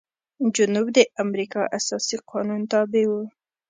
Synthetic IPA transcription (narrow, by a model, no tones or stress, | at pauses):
d͡ʒʊnubd̪əʔamɾikɑʔasɑsiqʰɑnunt̪ɑbewu